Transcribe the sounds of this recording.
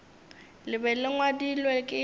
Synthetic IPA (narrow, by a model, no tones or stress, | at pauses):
lɪbɛlɪŋwadilwɛkʼɪ